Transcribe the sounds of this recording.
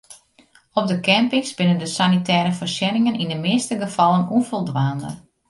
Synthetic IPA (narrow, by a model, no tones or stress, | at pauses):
ɔp̚dəkɛmpɪŋsbɪnəndəsanitʰɛːɾəfərsɛnɪŋənindəmɪːstəɡəfɑlˠənufɔlˠdʋaːndə̰r